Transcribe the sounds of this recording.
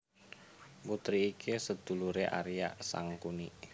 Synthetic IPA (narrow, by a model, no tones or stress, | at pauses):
mut̪ɾiːkʰesəd̪̥ṳluɾeʔa̰ɾija̰ʔsa̰ŋkuni